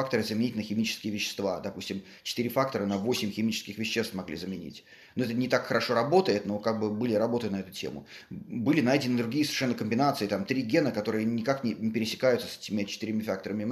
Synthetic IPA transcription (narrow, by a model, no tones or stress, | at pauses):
ak̚t̪əɾɨzəmʲɪnʲitʲɪlʲnəxʲɪmʲit͡ɕɪ̥skʲɪjəvʲɪɕːɪ̥st̪va̰d̪ɐpusʲtʲɪm | t͡ɕɪ̥t̪ɨɾʲɪfakt̪əɾənɐvo̞sʲɪmʲxʲɪmʲit͡ɕɪ̥skʲɪxvʲɪɕːe̞st̪mɐɡlʲḭzəmʲɪnʲḭtʲ | noɛt̪ənʲɪt̪akxəɾɐʂo̞ɾɐbo̞t̪əjɪt̪no̞kaɡ̚bɨbɨlʲɪɾɐbo̞t̪əjt̪nɐɛt̪ʊtʲḛmʊ̰bɨlʲɪnajdʲɪnɪd̪ɾʊɡʲiːsvʲɪ̥ʂɛnːəkəmʲbʲɪnat̪sɨɪt̪amt̪ɾʲiɡʲe̞nəkɐt̪o̞ɾɨjənʲɪkaknʲɪnʲɪpʲɪɾʲɪsʲɪ̥kajʊt̪sə̥sɛ̥tʲɪmʲɪt͡ɕɪ̥t̪ɨɾʲɪmʲafak̚t̪əɾəmʲɪ